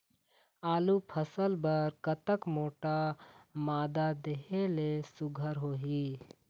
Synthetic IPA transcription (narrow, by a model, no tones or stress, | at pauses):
aːlupʰəsəlbəɾkət̪əkmoːʈamaːd̪ad̪eɦelesʊɡʱəɾɦoːɦiː